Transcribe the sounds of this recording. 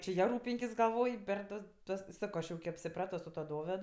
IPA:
t͡ʃʲɪ ˈjɛ ˈruːpʲɪŋʲkʲɪs ɡɐˈlˠʋoːj pʲɛr ˈtɐs ˈtuɔs ˈsɑːkoː ˈɐʃ jɛʊ kʲɪ ɐpʲsʲɪˈprɑːtoː sʊ tuɔ ˈdoːʋʲɛt

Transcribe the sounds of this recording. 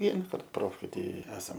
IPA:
ˈʋʲiɛnɐkɐrt ˈproːfʲkʲeːj ˈtɐɪ ˈæːsɐm

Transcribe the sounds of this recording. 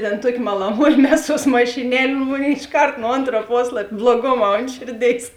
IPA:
tʲɛn ˈtuɔkʲɪ mɐlˠɐˈmuɔjɪ ˈmʲæːˌsuɔs mɐʃʲɪˈnʲɛlʲ ˈmoːnʲeːɪ ɪʃˈkɐrt nʊ ˈoːntrɐ ˈpoːslˠɐpʲ blˠuɔˈɡoːˌmɑː ˈoːnt ʃʲeːrʲˌdʲeːɪs

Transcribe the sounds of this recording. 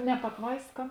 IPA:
nʲɛ pɐtˈʋɐɪskɐ

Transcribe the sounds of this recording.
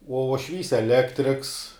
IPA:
uɔ uɔʃʲˈʋʲiːs ɛˈlʲæːktʲrʲɪks

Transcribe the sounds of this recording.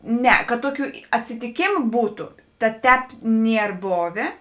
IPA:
ˈnʲɛ kɐt ˈtoːˌkʲuː ɐtʲsʲɪtʲɪˈkʲeːmʊ ˈbuːtʊ tɐt ˈtʲɛːp ˈnʲiɛr ˈboːʋʲeː

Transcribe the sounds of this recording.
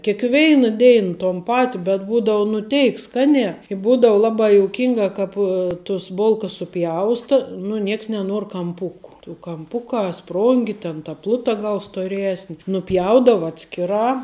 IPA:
kʲeːkˈʋʲɛɪnɐ ˈdʲɛɪn toːn ˈpɑːtʲɪ bʲɛt ˈbuːdɐʊ nʊ ˈtʲɛɪk ˈskɑːnʲæː ɪ ˈbuːdɐʊ ˈlˠɑːbɑː joːʊˈkʲɪŋɡɐ ˈkɐp tʊs ˈbʊlˠkɐs sʊˈpʲjɛʊstɐ nʊ ˈnʲiɛks nʲɛˈnuɔr kɐmˈpʊkʊ tuː kɐˈmpʊkɑː ˈsproːŋʲɡʲɪ tʲɛn tɐ ˈplˠʊtɐ ˈɡɐlˠ stoːˈrʲæːsʲnʲɪ nʊˈpʲjɛʊdɐʋɐ ˈɑːtʲsʲkʲɪˌrɑː

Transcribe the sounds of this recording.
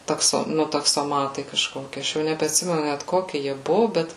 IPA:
tɐkˈsoː ˈnʊ tɐksoːˈmɑːtɐɪ kɐʃˈkoːkʲɪ ˈɐʃ jɛʊ nʲɛbʲɛɐtʲˈsʲɪmʲɛnʊ nʲɛt ˈkoːkʲɪ jiɛ ˈbʊʋoː ˈbʲɛt

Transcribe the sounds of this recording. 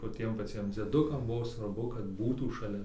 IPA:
ʋɐ ˈtʲiɛm pɐˈt͡sʲiɛm d͡zʲiɛˈdʊkɐm ˈbʊʋoː sʋɐrˈbʊ kɐt ˈbuːtuː ʃɐˈlʲɛ

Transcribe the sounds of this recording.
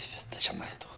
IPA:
ˈbʲɛt tɐɪ ʒʲɪˈnɐɪ ˈtoː

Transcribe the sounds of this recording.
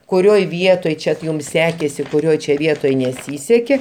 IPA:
kʊˈrʲoːj ˈʋʲiɛtoːj ˈt͡ʃʲɛ t jʊm ˈsʲæːkʲeːsʲɪ kʊˈrʲoːj t͡ʃʲɛ ˈʋʲiɛtoːj nʲɛˈsʲiːsʲɛkʲeː

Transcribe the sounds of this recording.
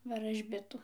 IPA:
ʋɐrɐʒʲˈbʲɪtʊ

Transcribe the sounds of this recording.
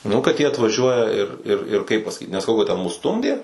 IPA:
ˈnʊ kɐt ˈjiɛ ɐtʋɐˈʒʲuɔjɛ ɪr ɪr ɪr kɐɪp pɐsɐˈkʲiːt nʲɛsɐˈkɐʊ kɐt tʲɛn mʊs ˈstʊmʲdʲeː

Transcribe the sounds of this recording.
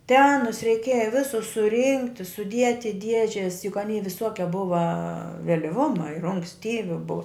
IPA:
tʲɛ ˈɑːnʊs rʲɛɪˈkʲeːjɛ ˈʋʲɪsʊs sʊˈrʲɪŋktʲɪ sʊˈdʲiɛtʲɪ ɪ ˈdʲiɛʒʲɛs jʊk ˈɑːnʲɛɪ ʋʲɪˈsoːkʲɛ ˈbʊʋɐ ʋʲɛlʲɪˈʋʊmɐ ɪr ʊŋksʲˈtʲiːʋʲɪ bʊ

